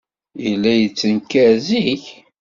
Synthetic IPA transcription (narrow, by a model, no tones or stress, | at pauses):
jəlːæjət͡sːənkːæziç